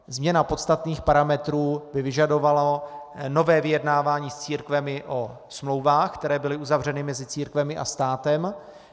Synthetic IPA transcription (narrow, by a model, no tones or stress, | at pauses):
zmɲɛnapo̞t̪st̪at̪niːxpaɾamɛt̪ɾuːbɪvɪʒado̞valano̞vɛːvɪjɛdnaːvaːɲiːst͡siːɾkvɛmɪʔo̞ | smlo̞wvaːxkt̪ɛɾɛːbɪlɪʔuzavr̝ɛnɪmɛzɪt͡siːɾkvɛmɪʔa̰st̪aːt̪ɛm